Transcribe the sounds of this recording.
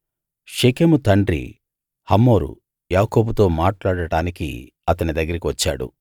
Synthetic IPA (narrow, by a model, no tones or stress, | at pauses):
ʂekeːmut̪ɐɳɖɾḭ | hɐmːo̞ːɾṵ | jaːko̞ːbut̪o̞ːmaːʈlaːɽɐɽaːnikḭ | ɐt̪ɐnid̪ɐɡːɐɾikiʋɐt͡ʃːa̰ːɽṵ